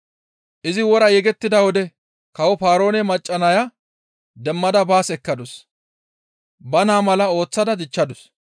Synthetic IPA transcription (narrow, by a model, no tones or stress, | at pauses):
ʔɪzɪwɔɾɐjɛɡɛt̪ːɪd̪ɐwɔd̪ɛ | kɐwɔfaːɾo̞ːnɛmɐt͡ʃʼːɐnɐja | d̪ɛmːɐd̪ɐbaːsɛkːɐd̪ʊs | bɐnaːmɐlɐo̞ːt͡sːɐd̪ɐd̪ɪt͡ʃːɐd̪ʊs